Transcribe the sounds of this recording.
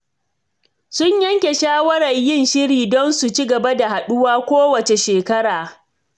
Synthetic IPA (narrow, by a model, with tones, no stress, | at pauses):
sʊ˦ɲjɐ˦ŋkʲe˨ʃaː˦wɐ˦ɾɐ˨ɲjɪ˦˨nʃɪ˦ɾiː˨dɔ˦nsu˨t͡ʃi˦ɡɐ˨ba˦da˨ha˨ɗʊ˦waː˦kʷoː˦wɐ˨t͡ʃe˨ʃeː˨kɐ˦ɽaː˨